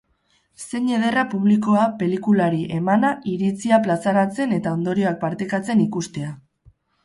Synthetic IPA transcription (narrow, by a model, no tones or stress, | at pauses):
se̞ɲe̞ð̞e̞rapuβliko̞ape̞likulaɾiʔe̞manaiɾit͡siaplasaɾat͡se̞ne̞t̪ao̞nd̪o̞ɾioak̚paɾt̪ekat͡se̞nikust̪e̞a